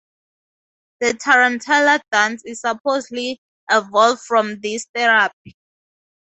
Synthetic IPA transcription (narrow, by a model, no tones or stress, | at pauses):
ðətʰaɹãntʰɛladãnsizsapʰozli | ɛvɔlvdfɹɔ̃mðisθɛɹap̚i̥